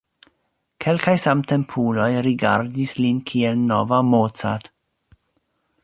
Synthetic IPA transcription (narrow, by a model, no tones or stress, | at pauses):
kʰe̞lkajsamte̞mpʰulo̞jɾiɡa̰ɾdislinkʰielnovamotsa̰t